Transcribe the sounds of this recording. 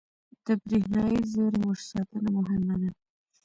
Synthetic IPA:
d̪̥əbɾihnɑjizeɾmʊʒsɑt̪ənamʊɦɪmad̪a

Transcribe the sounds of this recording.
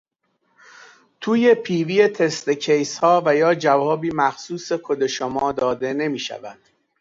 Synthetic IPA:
t̪ʰuːje̞pʰiːviːjet̪ʰe̞st̪ecʰejshɒːvæjɒːd͡ʒævɒːbiːmæxsuːse̞kʰod̪e̞ʃomɒːd̪ɒːd̪e̞ne̞miːʃæ̰væd̪̥

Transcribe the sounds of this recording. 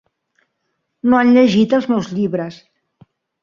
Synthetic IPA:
noanʎəʒit̪əlˠzmɛwzʎiβɾəs

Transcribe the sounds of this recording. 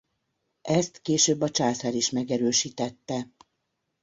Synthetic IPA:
ʔɛst̪keːʃøːbːɒt͡ʃaːsaɾiʃmɛɡɛɾøːʃiːt̪ɛt̪ːɛ

